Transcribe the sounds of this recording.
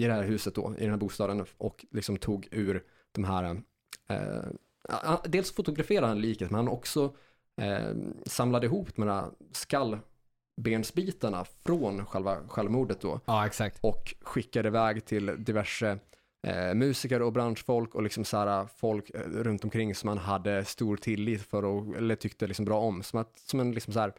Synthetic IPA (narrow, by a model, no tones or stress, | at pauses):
ɪd̪ɛhæːɾɦʉ̟ːsət̪̚d̪ɔ̰ɪ̰dɛnhæɾbuːst̪ɑːd̪ənʔɔklɪksɔmt̪ʰuːɡʉ̟ːɾ | d̪̥ɔmɦæːɾa̰ | had̪eːlsfʊt̪ʊɡɾafeːɾad̪hanliːkət̪mɛnhanɔ̰ksɔ̰ | samlad̪əɪɦuːpd̪ɔmhæ̰skalː | beːnsbiːt̪aɳa̰fɾoːnɧɛlva̰ɧɛlvmuːɖət̪̚d̪ɔ̰ɛksak̚t̪ɔkɧɪkːad̪əɪvɛːɡt̪ʰɪld̪ɪvæʂə̰ | mʉ̟ːsɪkəɾɔbɾanʂfɔlkɔlɪksɔmsæːɾafɔlkɾɵnt̪ɔmkʰɾɪŋːsɔmhanɦad̪ːəst̪uːɾt̪ʰɪlːiːt̪fœɾɔɛ̰lːəʈ̪ʰʏkt̪əlɪksɔmbɾɑːɔmsɔmat̪sɔmɛnlɪksɔmsɔæːɾ